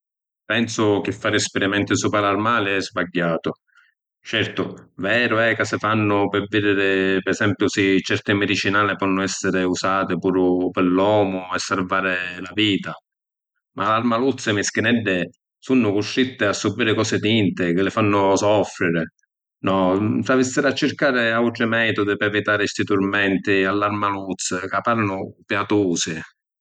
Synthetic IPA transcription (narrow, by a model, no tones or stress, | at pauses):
pɛnsʊk̟ɪfːaːɾɪspɪɾimɛnt̪ɪsuːpalarmaːlɪɛzbaɟːaːt̪ʊ | t͡ʃɛrt̪ʊvɛːɾʊɛkasɪfanːʊpɪvid̪ɪɾɪpesɛmpjʊsɪt͡ʃɛrt̪ɪmɪd̪it͡ʃinaːlɪpɔnːʊɛsːɪɾɪusaːt̪ɪpuːɾʊpɪlːɔːmʊɛsːaɾvaːɾɪlaviːt̪a | mʔalːaɾmalut̪sːɪmɪsk̟ɪnɛɖːɪ | sunːʊkʊʃɾit̪ːɪasːubiːɾɪkɔːsɪt̪int̪ɪkɪlɪfanːʊsɔfɾɪɾɪ | nɔsɾavisːɪɾat͡ʃːɪɾkaːɾɪawʈ̪ɾɪmɛːt̪ʊd̪ɪpɾɛvit̪aːɾɪst̪it̪uɾmɛnt̪ɪalːaɾmalut̪sːɪkapːaɾnʊpjat̪oːsɪ